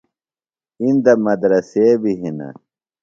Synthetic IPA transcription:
ind̪ɐmɐd̪ɾɐsebiɦinɐ̰

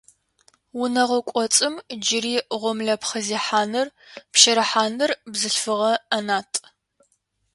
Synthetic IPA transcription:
wʊnɐʁɐkʷʼɔt͡sʼɨmd͡ʒɪɾiːʁʷɔmɮɐpχɐziːħaːnɨrpʃɐɾɐħaːnɨrbzɨɬfɨʁɐɐnaːtʰʼ

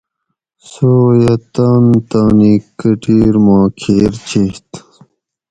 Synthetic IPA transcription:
soːjɐt̪aːnt̪aːnikːəʈiːɾmãːkʰeːɾt͡ɕʰiht̪

